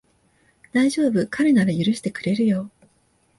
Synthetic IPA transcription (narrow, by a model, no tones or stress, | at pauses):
d̪̥aiʑo̞ːbɯ̟kʰaɾe̞nad̪ejɯɾɯ̟ɕi̥t̪e̞kɯ̟ɾe̞ɾɯ̟jo̞ː